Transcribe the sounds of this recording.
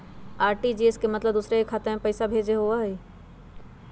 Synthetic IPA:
aːɾʈid͡ʒeːeskemɐt̪ləb̚d̪usɾeekʰːat̪eɦẽpəɪsabʱeːd͡ʒeɦoaɦeː

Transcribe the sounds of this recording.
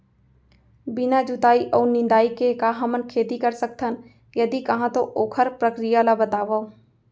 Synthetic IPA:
bɪnad͡ʒʊt̪aːiʔɔːɾnɪ̃nd̪aːikekaɦɐmənkʰeːt̪ikəɾsək̚t̪ʰən | jəd̪ikɐɦãt̪oʔoːkʰəɾpɾəkɾijalabət̪aːʋəo

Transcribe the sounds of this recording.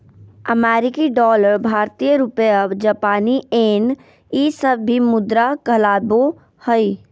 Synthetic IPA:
əmɛːɾɪkiɖɔːləɾbʱaːɾt̪ijəɾʊpeəd͡ʒapaːnieːn | isəbːimʊd̪ɾakəlaːbo | həi

